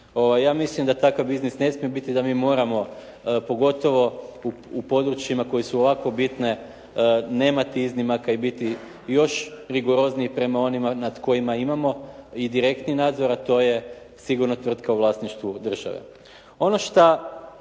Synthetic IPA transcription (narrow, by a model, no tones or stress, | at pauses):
o̞ʋajːaːmislimd̪at̪akaʋbiznisne̞smije̞bit̪id̪amiːmo̞ːɾamo̞ | po̞ɡo̞t̪o̞ʋo̞uupo̞d̪ɾut͡ʃjimako̞jesuoʋako̞bit̪ne̞ | ne̞ːmat̪iiznimakaibit̪i | jo̞ʃɾiɡo̞ɾo̞zniipɾe̞mao̞nimanad̪ko̞jimaimamo̞id̪iɾe̞kt̪ninaːd̪zo̞ɾat̪o̞ːje̞ | siɡuɾnot̪ʋr̩t̪kauʋlˠaːsniʃt̪ʋud̪r̩ʒa̰ʋḛ | o̞no̞ʃt̪a